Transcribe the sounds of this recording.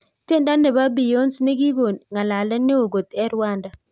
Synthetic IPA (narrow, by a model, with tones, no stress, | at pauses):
te˦nda˦nɛ˨ba˦bi˨jo˦nsne˦ɡi˦ɡo˨nŋa˨la˨lɛ˦nːɪ˦o˨ɡo˨t̪ɛ˦ɾwa˦nda˨